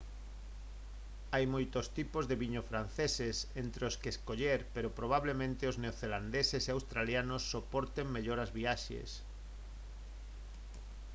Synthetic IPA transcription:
ajmojt̪ost̪ipozðeβiɲofɾan̟θesesent̪ɾeoskeskoʎeɾpeɾopɾoβ̞aβ̞lemẽnt̪eozneoθeland̪eseseawst̪ɾaljanosːopoɾt̪eŋmeʎoɾazβiaʃḛs

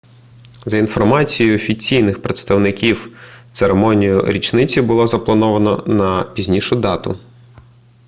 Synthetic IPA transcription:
zɐinfɔrmɑt͡sʲijʊɔfʲit͡sʲijnɪxpɾet̪st̪ɐwnɪkʲiwt̪seɾemɔnʲijʊɾʲit͡ʃnɪt͡sʲibʊlˠɔzɐplˠɐnɔʋɐnɔ̰nɐpʲizʲnʲiʃʊd̪ɑt̪ʊ̰

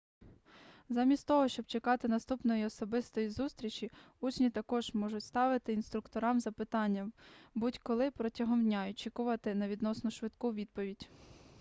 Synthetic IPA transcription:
zɑmʲist̪t̪ɔɦɔʃt͡ʃɔbt͡ʃekɑt̪ɪnɐst̪upnɔjiɔsɔbɪst̪ɔjizust̪ɾʲit͡ʃʲi | ut͡ʃnʲit̪ɐkɔʒmɔʒʊtʲst̪ɑʋɪt̪ɪinst̪ɾʊkt̪ɔɾɑmzɐpɪt̪ɑnʲːɐbutʲkɔlˠɪpɾɔtʲɐɦɔmdʲnʲaɔt͡ʃikʊʋɐt̪ɪnɐʋʲid̪nɔsnʊʃʋɪd̪kʊʋʲid̪̚pɔʋʲidʲ

